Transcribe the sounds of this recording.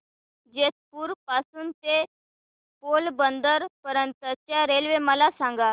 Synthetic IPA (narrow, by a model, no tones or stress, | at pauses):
d͡ʑet̪̚puːɾpasuːnt̪e | polbənd̪əɾpəɾənt̪ət̪jaɾelʋeməlasãŋɡa